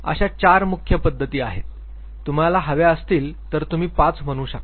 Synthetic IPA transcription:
ə̰ɕat͡ɕaɾmukʰjəpəd̪ʱːət̪iːaɦet̪ː | um̤alaɦəʋeəst̪iːlt̪əɾt̪um̤iːpãt͡sm̤əɽ̃uːɕək

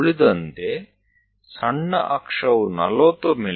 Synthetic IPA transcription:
ɭid̪ɐnt̪e | sɐɳːɐ̰ʔɐkʂɐʋunɐ̰loːt̪omi

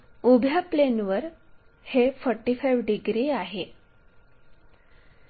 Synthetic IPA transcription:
ubʱjaplenʋəɾ | hefəɾʈifajʋɖiɡɾiaɦe

